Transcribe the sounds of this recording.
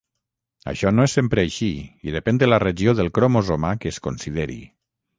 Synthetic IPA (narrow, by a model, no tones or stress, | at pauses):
a̰ʃɔnoesempɾəaʃiiðepɛnd̪əlareʒioðəlˠkɾomozomakəːskonsiðeɾḭ